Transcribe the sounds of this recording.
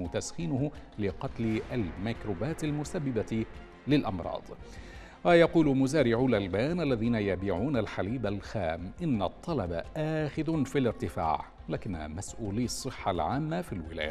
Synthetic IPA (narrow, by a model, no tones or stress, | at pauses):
ʊt̪asxiːnʊhʊlɪqɑt̪lalmakɾuːbaːt̪almʊsabːɪba | lɪlʔɑmɾˤɑ̰ːd̪ˤ | wajɑquːlmʊzaːɾɪʕʊlʔalbaːnʔalːaðiːnajabiːʕuːnalħaliːbalxaːmʔɪnːat̪ˤːɑlɑba̰ʔaːxɪðʊnfilɪɾt̪ɪfa̰ːʕ | laːkɪnːamasʔuːliːɑsˤːɨħːalʕaːmːafilwɪla̰ːja̰